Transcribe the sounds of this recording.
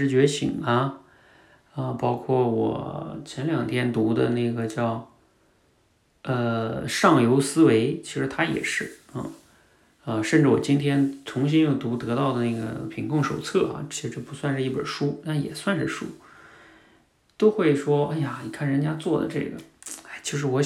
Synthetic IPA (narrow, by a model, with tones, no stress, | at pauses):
ɻ̩˧˥t͡ɕɥɛ˧˥ɕḭ˨˩ŋɐ˧ | ə˧pɑ˥ʊkʰwɔ˥˩wɔ̰˨˩t͡ɕʰjɛ˧˥nljɑ˨˩ŋt̪ʰjɛ˥nt̪u˧˥d̪ə̰˧na˥˩ɪɡə˩t͡ɕjɑ˥˧ʊ | ə˧ʂɑ˥˩ŋjo˧˥ʊsɹ̩˥we˧˥ɪt͡ɕʰi˧˥ʂɻ̩˧˥t̪ʰa˥jɛ̰˨˩ʂɻ̩˥˩ə̰˥˧ | ə˧ʂə˥˧nʈ͡ʂɻ̩˥˩wɔ̰˨˩t͡ɕi˥nt̪ʰjɛ˥nt͡sʰʊ˧˥ŋɕi˥njo˥˩ʊt̪u˧˥t̪ɤ˧˥t̪ɑ˥˩ʊd̪ə˩na˥˩ɡə̰˩pʰi˧˥ŋkʊ˥˧˩ŋʂo˨˩ʊt͡sʰɤ˥˩ɐ̰˩t͡ɕʰi˧˥ʂɻ̩˧˥ʈ͡ʂɤ˥˩pu˧˥swa˥˧nʂ̩˥˧i˥˩bə̰˞˨˩ʂu˥t̪a˥˩jɛ̰˨˩swa˥˧nʂɻ̩˥˩ʂu˥ | t̪o˥ʊxwe˥˩ɪʂwɔ˥a˥˩ɪja˨˩ni˨˩kʰa˥˩nɻə˧˥nt͡ɕja˥t͡swɔ˥˩d̪ə̰˩ʈ͡ʂɤ̰˥˩ɡə̰˩a˥˩ɪt͡ɕʰji˧˥ʂ̬ɻ̩˧˥wɔ˧˥